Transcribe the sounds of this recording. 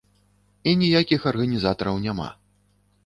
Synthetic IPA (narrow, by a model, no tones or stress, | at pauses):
inʲijakʲixɐrɣɐnʲizat̪ɐɾɐwnʲama̰